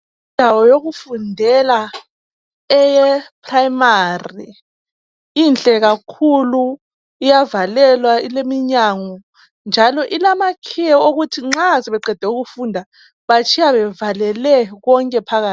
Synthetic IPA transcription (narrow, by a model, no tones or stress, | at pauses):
indʱawɔjoɣufundʱɛla | ɛjɛpʰʼrajmari | int͡ɬʼɛɣakʰulu | ijavalɛlwailemiɲaŋɔ | nd͡ʒʱalɔʔilamakʰijɛoɣutʰiŋ͡ǁaziβɛǃɛd̥ʱɛuɣufuːndʱa | βat͡ʃʰijaβɛvalɛlɛɣɔŋkʼɛpʰaɣaːt